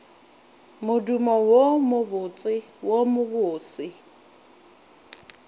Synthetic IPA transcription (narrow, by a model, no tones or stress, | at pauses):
mʊdumɔwomʊbʊt͡sʼɪwomʊbʊːsɪ